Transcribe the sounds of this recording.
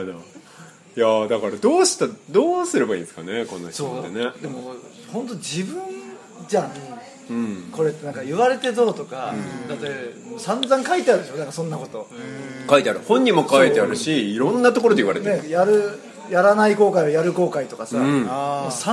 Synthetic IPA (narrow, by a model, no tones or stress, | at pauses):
d̪a | jad̪akaɾad̪o̞ːɕi̥t̪ad̪oːsɨɾebaḭ̃ːnsɨ̥ka̰neko̞̰no̰çsoːened̪e̞mo | hõ̞nt̪̬od͡ʑibɯ̟̃n | d͡ʑã | ɯ̟̃ɴko̞ɾe̞t̪ːe̞nãŋkaɯ̟βaɾe̞t̪e̞d̪o̞ːt̪o̞kaɯ̃d̪at̪ːemosãnzãŋkait̪e̞aɾɯ̟d̪e̞ɕo̞nãŋkasõ̞nːako̞t̪o̞kait̪e̞aɾɯ̟hõ̞ɲ̟ːimo̞kait̪eaɾɯ̟ɕiːɾõ̞nːat̪okoɾod̪eiβaɾet̪eejaɾɯ̟ | jaɾanaiko̞ːkaiɯjaɾɯ̟ko̞ːkait̪o̞kasaɯ̃amosa